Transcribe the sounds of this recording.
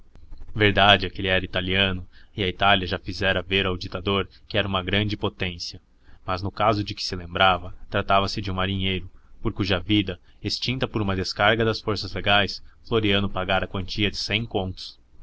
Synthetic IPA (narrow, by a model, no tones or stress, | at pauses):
veɾd̪ad͡ʒɪɛkelɪɛɾɐit̪aliɐ̃nʊɪɐit̪aliɐʒafizɛɾɐveɾawd͡ʒit̪ad̪oɾ | kɪɛɾɐũmɐɡɾɐ̃nd͡ʒɪpot̪ẽsiɐ | mɐznʊkazʊd͡ʒɪkɪ̥sɪlẽmbɾavɐt̪ɾat̪avɐsɪd͡ʒɪũmaɾiɲejɾʊpoɾkuʒɐvid̪ɐ | est͡ʃĩnt̪ɐpoɾũmɐd̪eskaɾɡɐd̪ɐsfoɾsɐzleɡajsfloɾiɐ̃nʊpaɡaɾɐkwɐ̃nt͡ʃiɐd͡ʒɪsẽj̃kõnt̪ʊ̥s